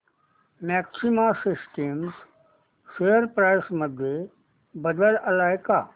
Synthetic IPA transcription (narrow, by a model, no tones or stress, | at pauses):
mɛːksimasɪsʈims | ʃejəɾpɾaːjsmɐd̪ʱje | bɐd̪əlɐlaːjkaː